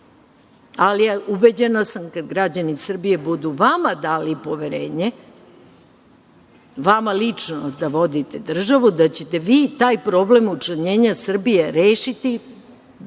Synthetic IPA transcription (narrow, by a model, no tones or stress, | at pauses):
aliaubed͡ʑenasamkad̪ɡɾad͡ʑanisr̩bije̞bud̪uʋamad̪aːlipo̞ʋeɾeːɲe | ʋamalit͡ʂnod̪aʋo̞d̪it̪ed̪r̩ʒaʋud̪at͡ɕe̞t̪eʋiːt̪aːjpɾo̞blemut͡ʃlaɲeːɲasr̩bijeɾeːʃit̪i